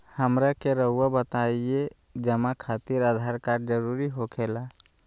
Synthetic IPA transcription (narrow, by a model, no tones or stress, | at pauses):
həmɾakeɾəʊwabət̪aie | d͡ʒəmakʰat̪iɾad̪ʱaɾkaɾd͡ʒəɾuɾiɦokʰela